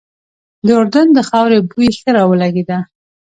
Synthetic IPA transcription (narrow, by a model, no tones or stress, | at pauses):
d̪əʊɾd̪and̪əxɑwɾebujeɬəɾɑwəlaɡed̪a